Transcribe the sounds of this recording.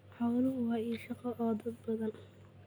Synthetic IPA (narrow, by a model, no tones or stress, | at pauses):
ħɑwlʊɦʊwɑːiːʃɑqɐʔɔːd̪ɐd̪̚bɐðɐn